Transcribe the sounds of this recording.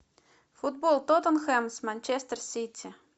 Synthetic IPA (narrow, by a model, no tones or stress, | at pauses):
fud̪̚bolˠt̪ot̪ənxɛmsmanʲt͡ʃest̪ərsʲit̪ʲʰːi